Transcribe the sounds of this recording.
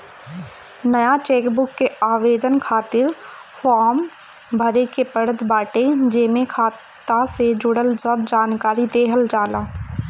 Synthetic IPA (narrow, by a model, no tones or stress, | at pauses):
nəjat͡ʃeːkbʊkːeaːʋeːd̪ənkʰaːt̪ɪɾfʰɔːɾm | bʱəɾekepəɽət̪baːʈed͡ʒeːmẽkʰaːt̪ased͡ʒʊɽəlsəb̚d͡ʒaːnkaːɾid̪eːɦəld͡ʒaːlaː